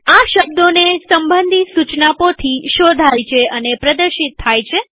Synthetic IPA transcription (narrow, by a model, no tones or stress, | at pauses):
aʃəb̚d̪onesəmbənd̪ʱisut͡ʃnapot̪ʰiʃod̪ʱajt͡ʃʰeʔənepɾəd̪əɾʃit̪ʰːajt͡ʃʰe